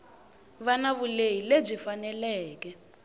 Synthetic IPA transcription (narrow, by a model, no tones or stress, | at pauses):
βanaβulejileb͡ʐifanɛlɛːkɛ